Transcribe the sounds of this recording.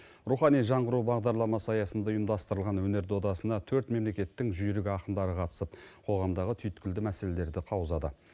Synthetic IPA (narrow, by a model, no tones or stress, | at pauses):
ɾuχɑnijʒɑɴʁəɾubɑʁd̪ɑɾlˠɑmɑsɑjɑsənd̪ɑojəmd̪ɑst̪əɾəlˠʁɑnwɵne̞ɾd̪o̞d̪ɑsənd̪ɑt̪ʰɵɾt̪me̞mle̞kʲe̞t̪ːɪŋʒʏjɪɾɪɡʲɪɑqənd̪ɑɾəqʰɑt̪ə̥səp̚qʰo̞ʁɑmd̪ɑʁət̪ʰʏjɪt̪kʲɪld̪ɪmæse̞le̞le̞ɾd̪ɪqʰɑwəzɑd̪ə